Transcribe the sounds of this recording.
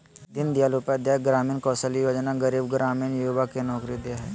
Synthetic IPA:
d̪ɪnd̪ɪjaːlupeəd̪jaːjk̚ɡɾaːmiːnkɔːsəlijoːd͡ʒnaɡəɾiːbɡɾaːmiːnjuʋakenɔːkɾid̪ejaɦɛː

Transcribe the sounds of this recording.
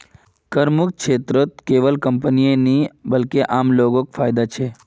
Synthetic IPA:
kəɾmuk̚kʃet̪ɾot̪̚keʋəlkəmpənienibəlkeʔamlokokfajd̪at͡ʃʰe

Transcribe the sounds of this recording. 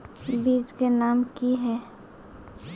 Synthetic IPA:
biːd͡ʒkenaːmkiɦɛː

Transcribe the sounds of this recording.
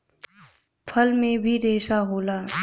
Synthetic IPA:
pʰəlmẽbʱiɾeːʃaɦoːlaː

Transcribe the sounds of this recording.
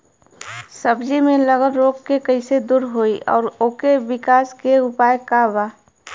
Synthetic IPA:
səbd͡ʒimẽləɡəlɾoːkkːekəɪsed̪uːɾɦoːiʔɔ̰ːɾoːkebɪkaːskeʊpaːjkabaː

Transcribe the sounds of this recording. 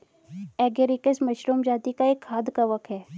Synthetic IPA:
ɛːɡeɾikəsmɐʃɾuːmd͡ʒaːt̪ikaeːkʰːaːd̪kaʋɐk̚t̪ɦɛː

